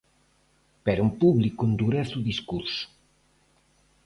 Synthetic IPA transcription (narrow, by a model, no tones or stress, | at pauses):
peɾaumpuβlikuund̪uɾɛθuðiskuɾsu̥